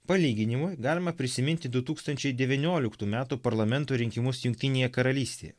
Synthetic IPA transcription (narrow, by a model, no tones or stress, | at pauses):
pɐlʲiːɡʲɪnʲɪmʊjɡɑːlʲɪmɐpʲɾʲɪsʲɪmʲɪnʲt̪ʲɪd̪ʊt̪uːkst̪ɐnʲt͡ʃʲɛɪd̪ʲɛʋʲinʲoːlʲɪkt̪uːmʲæːt̪uːpɐɾlˠɐmʲɛnt̪uːɾʲɪŋʲkʲɪmʊsjʊŋkʲt̪ʲɪnʲeːjɛkɐɾɐlʲiːsʲt̪ʲḛjɛ̰